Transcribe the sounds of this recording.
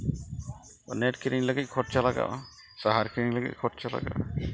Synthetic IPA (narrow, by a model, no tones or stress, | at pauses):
nɛʈ̚kʰiɾiŋləɡic̚kʰɔʈ̚t͡ʃʰalaɡa̰ʔ | saɦaɹkʰiɹiŋləɡḭc̚kʰɔʈ̚t͡ʃʰala̰ɡa̰ʔ